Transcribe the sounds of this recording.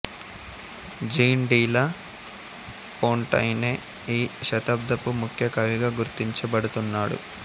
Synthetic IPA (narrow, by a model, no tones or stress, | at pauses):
d͡ʒiːnɖiːlɐ | poːɳʈɐ̰jneː | iːʃɐt̪ɐb̚d̪ɐpumukʰjɐkɐʋiɡaːɡuɾt̪iɲt͡ʃɐbɐɽut̪unːaːɽṵ